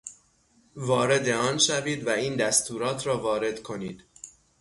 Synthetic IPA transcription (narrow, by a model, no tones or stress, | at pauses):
vɒːɾe̞d̪e̞ɒːnʃæviːd̪væiːnd̪æst̪ʰuːɾɒːt̪ʰɾɒːvɒːɾe̞d̪̥kʰo̞niːd̪̥